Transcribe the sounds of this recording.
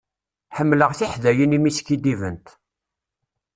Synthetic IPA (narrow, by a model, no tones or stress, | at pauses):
ħəmːləʁθiħðæjənimiskːid̪ivənt̪